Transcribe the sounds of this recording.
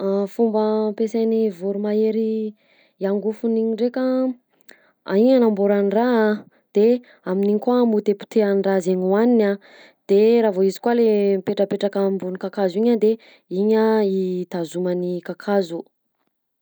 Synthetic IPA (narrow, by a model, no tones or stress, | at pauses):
fumbəmpesanivuɾumaeɾi | iaŋɡufuniɲiɳɖ͡ʐeka | a̰iɲanamboɾaniraa | d̪̥e | aminiɲikwamut̪epu̥t̪eanrazeɲuanina | d̪̥eɾavoizi̥kwalempeʈ͡ʂəpeʈ͡ʂakəmbunikakaziɲad̪e | iɲait̪azumanikakʰazu